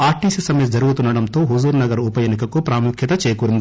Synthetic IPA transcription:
aːɾʈisisɐmisd͡ʒɐɾuɡut̪unːɐɽɐnt̪o̞ːɦuzuːɾnɐɡɐɾupɐjɐːnikɐkupɾaːmukʰjɐt̪ɐt͡ʃeːɐkuːɾind̪i

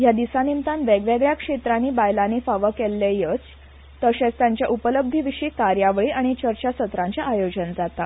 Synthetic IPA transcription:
jad̪isanimt̪ãnʋeɡʋeɡɭjakʂet̪ɾaniːbajlanifaʋəkelːejət͡s | t̪əɕẽt͡st̪jaɲt͡ɕjaʔupələb̚d̪ʱiʋiɕiːkaɾjaʋɭiːʔaɽ̃it͡ɕəɾt͡ɕasət̪ɾãɲt͡ɕjaʔajod͡ʑənd͡zat̪a

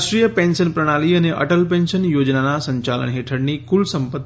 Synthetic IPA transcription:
ʃɾijəpensənpɾəɽ̃aliɐneʔə̰ʈəlpẽnsənjoːd͡ʒnanasəɲt͡ʃalə̰nɦeʈʰəɽnikulsəmpət̪ː

